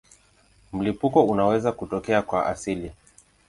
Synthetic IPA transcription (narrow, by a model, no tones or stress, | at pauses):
m̩lipukɔunawɛzakutɔkɛakwaʔa̰sili